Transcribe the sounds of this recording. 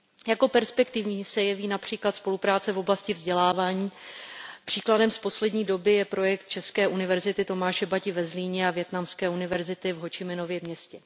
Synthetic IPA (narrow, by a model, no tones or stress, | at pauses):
jako̞pɛɾspɛkt̪ɪvɲiːsɛjɛviːnapr̝̥iːklat̪spo̞lupɾaːt͡sɛvo̞blascɪvzɟɛlaːvaːɲiː | pr̥iːkladɛmspo̞slɛdɲiːdo̞bɪjɛpɾo̞jɛkt̪̚t͡ʃɛskɛːʔunɪvɛɾzɪt̪ɪt̪o̞maːʃɛbacɪvɛzliːɲɛavjɛt̪namskɛːunɪvɛɾzɪt̪ɪvɦo̞t͡ʃɪmɪno̞vjɛmɲɛscɛ